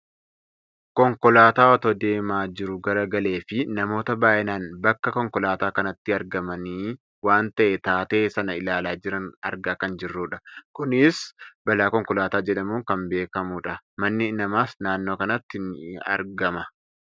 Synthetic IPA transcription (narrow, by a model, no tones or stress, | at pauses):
kɔŋkɔlaːt̪aːɔt̪od̪e̞ːmaːd͡ʒɪɾʊɡɐɾɐɡɐle̞ːfɪnɐmo̞ːt̪ɐbaːʔɪnaːnbɐkːɐkɔŋkɔlaːt̪aːkɐnɐt̪ːɪɐɾɡɐmɐniː | waːnt̪ɐʔɛt̪aːt̪e̞ːsɐnɐɪlaːlaːd͡ʒɪɾɐnɐ̰ɾɡaːkɐnd͡ʒɪrːuːᶑɐkʊnɪsbɐlaːkɔŋkɔlaːt̪aːd͡ʒɛᶑɐmuːŋkɐmbe̞ːkɐmuᶑɐmɐnːɪnɐmaːsnaːnːoːkɐnɐt̪ːɪnɐ̰ɾɡɐmɐ